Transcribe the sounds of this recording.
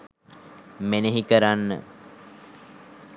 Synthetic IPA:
meneɦikəɾanːə̰

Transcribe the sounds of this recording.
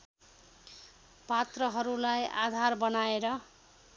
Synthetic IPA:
pat̪rʌɦʌɾulaja̰d̪ʱarbʌnaeɾʌ

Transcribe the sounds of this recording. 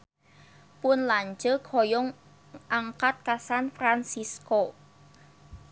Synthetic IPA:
pʊnlaɲd͡ʒəkʰojɔŋ | ʔaŋkat̪̚kasanfɾansisko

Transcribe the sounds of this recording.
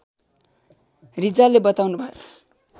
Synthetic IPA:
rid͡zalebʌt̪awnubʱʌs

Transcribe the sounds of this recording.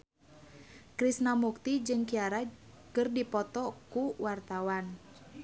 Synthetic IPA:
kɾisnamuk̚t̪id͡ʒɨŋkiaɾa | kɨrdipɔt̪ɔkuwart̪awan

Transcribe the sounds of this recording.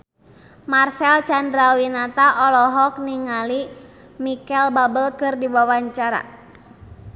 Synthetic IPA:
marsɛlt͡ʃandɾawinat̪aʔɔlɔɦɔk̚niŋali | mikɛlbabəlkɨrdiwawaɲt͡ʃaɾa̰

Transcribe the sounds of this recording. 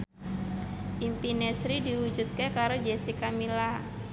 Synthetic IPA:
ʔimpinɛsɾidiwud͡ʒut̪̚kekaɾod͡ʒesikamila

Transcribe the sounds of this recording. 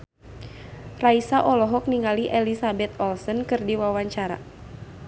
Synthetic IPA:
raisaʔɔlɔɦɔk̚niŋɡaliʔɛlisabɛt̪ɔlsɔnkɨrdiwawaɲt͡ʃaɾa̰

